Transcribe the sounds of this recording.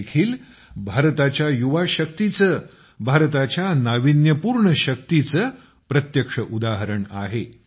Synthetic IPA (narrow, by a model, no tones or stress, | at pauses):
kʰiːl | bʱaɾt̪at͡ɕjajuʋaɕək̚t̪it͡sə | bʱaɾt̪at͡ɕjanaʋinjəpuːɾɳəɕək̚t̪it͡sə | pɾət̪jəkʂəʔud̪aɦəɾəɳa̰ɦe